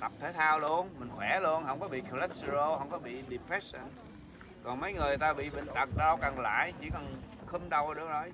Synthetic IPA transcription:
t̪ə˨˩p̚t̪ʰe˨˦jt̪ʰaː˧wlu˧˦ənmï˨˩ŋ̟xwɛ˧˩lu˧ənɦə˧wŋ͡mkɔ˨˦ɓḭ˧˨kʰə˧lɛ˦˥st̪ə˧zo˧hə˧wŋ͡mkɔ˨˦ɓḭ˧˨ɗi˨˩pɹɛ˦˥sə˨˩n | kɔ˨˩nmə˨˦jŋɨ˨˩əjt̪aː˧ɓḭ˧˨ɓḭ̈˧˨ŋ̟t̪ə˨˩k̚ɗa˧ɗə˧˩wka˨˩nla̰ː˧˨jt͡ɕi˧˩ka˨˩n | xɨ˧mɗa˨˩wɗɨ˨ək̚ɗə˨˧˦

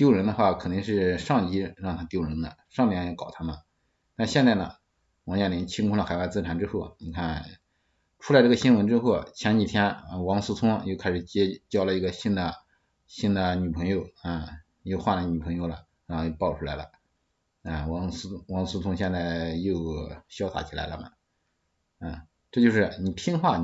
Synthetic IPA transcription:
t̪jo˥˩ʊɻə˧˥nd̪ə˧xwa˥˩kʰnt̪i˥˧ŋʂ̬ɻ̩˥˧ʂɑ˥˧ŋi˧˥ɻɑ˥˩ŋt̪ʰa˥t̪jo˥˩ʊɻə˧˥nd̪ə˧ʂŋli˧˥˧ɛ˥kɑ˨˩ʊt̪ʰa˥mə˨ | t̪a˥˧nɕjɛ˥˧nt͡sa˥˩ɪnə̰˩ | wɑ˧˥ŋt͡ɕja˥˩li˧˥t͡ɕʰi˥ŋkʰʊ˥˧lə˩xa˨˩ɪwa˥˧t͡sɹ̩˥ʈ͡ʂʰa˨˩nʈ͡ʂɻ̩˥xo˥˩ʊni˨˩kʰa˥˩n | ʈ͡ʂʰu˥lɪʈ͡ʂɤ˥˩ɡə˩ɕi˥nwə˧˥nʈ͡ʂɻ̩˥xo˥˩ʊt͡ɕʰjɛ˧˥nt͡ɕi˨˩t̪ʰjɛ˥na˧wɑ˧˥ŋsu˥t͡s̪ʰʊ˥ŋjo˥˩ʊkʰɪʂɻ̩˨˩t͡ɕɛ˥t͡ɕjɑ˥˩ʊlə˨i˧˥ɡə˧ɕi˥nd̪ə˨ | ɕi˥nd̪ə˨ny˨˩pʰɤ˧˥ŋjo˧ʊa˥˩ | jo˥˧ʊxwa˥˩lə˩ny˨˩pʰɤ˧˥ŋjo˧ʊlɐ̰˩ | ɻɑ˧˥xo˧jo˥˧ʊpɑ˥˩ʊʈ͡ʂʰu˥la˧˥ɪlə̰˧ | a˧˩wɑ˧˥ŋ˧˥wɑ˧˥ŋsu˥t͡sʰʊ˥ŋɕjɛ˥˧nt͡sa˥˩ɪjo˥˩ʊɕjɑ˥ʊt̪ʰa̰˧˥t͡ɕʰi˨˩la̰˧˥ɪlə˧mɐ̰˩ | a˥˩ | ʈ͡ʂɤ˥˧t͡ɕjo˥˧ʊʂɻ̩˥˩ni˨˩t̪ʰi˥ŋxwa˥˩

